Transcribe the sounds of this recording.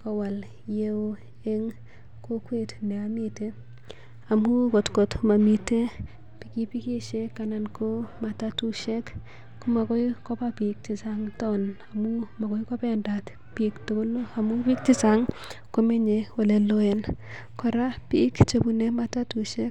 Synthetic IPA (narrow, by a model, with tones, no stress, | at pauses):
kɔ˨wa˨l | jeo˦ | eŋ | ko˦kwe˦tnɛ˨ami˦te | a˨mu˦ko˨tko˨tma˨mi˨te˦ | piki˦pi˦ki˦ʃe˦kːanankʰo˦ma˨ta˦tuʃe˦k | kuma˨kɔ˦ikɔ˦pa˦pik̚ti˨saŋtɔna˨mu˦ma˨kɔ˦jko˦pɛndat | piktoɡo˦loa˨mu˦pi˦k̚ti˦saŋ | kome˦ɲewole˨loe˨n | kɔ˨ɾa˦pi˦kt͡ʃe˨bu˨ne˦mata˦tuʃe˦k